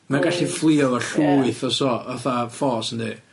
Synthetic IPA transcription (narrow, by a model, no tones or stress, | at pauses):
maɡaɬiflˠiɔɔɬuːɨθɔsɔɔθafɔsəndi